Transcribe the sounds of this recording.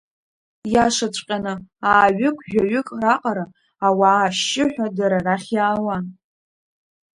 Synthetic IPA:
jaʂat͡ʃʷʼqʲʼanɨaːɥʏɨkʷʰʼʒᶣaɥʏkʼraqʼaɾaː | waːʃɪħʷᶣadaɾaraχʲjaːwan

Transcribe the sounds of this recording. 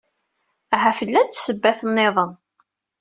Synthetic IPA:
ɦæfəlːænt̪ːsəbːæθənːeðˤən

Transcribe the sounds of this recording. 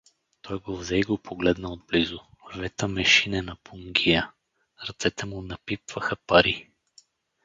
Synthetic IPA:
t̪ʰɔjɡovzɛiɡopʰoɡlɛd̪nəod̪̚blizʊvɛt̪əmɛʃinɛnɐpuŋɡʲijə | ɾɐt̪sɛt̪ɛmunɐpipv̥ɐxɐpɐɾi

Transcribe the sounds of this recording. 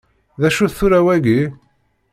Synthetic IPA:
ðæʃuθθuɾæwæɡi

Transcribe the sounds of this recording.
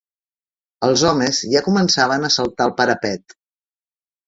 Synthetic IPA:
əlˠzɔmezʒakumənsaβ̞ənəsəlˠt̪aəlˠpəɾəpɛt̪

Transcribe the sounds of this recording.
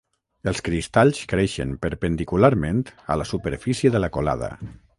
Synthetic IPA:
əlˠskɾist̪aʎskɾeʃə̰npəɾpənd̪ikulaɾmẽnt̪ə̰ləsupəɾfisjəðələkola̰ðə̰

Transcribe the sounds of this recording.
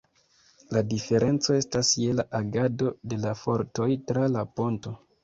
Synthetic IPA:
ladife̞ɾʔe̞nt͡so̞e̞stasje̞laʔaɡado̞de̞lafo̞ɾto̞jtɾalapo̞nto̞

